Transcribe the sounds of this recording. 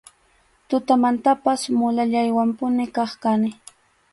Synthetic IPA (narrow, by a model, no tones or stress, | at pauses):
t̪ʊt̪amant̪apasmʊlaʎajwampʊnɪkɑχkanɪ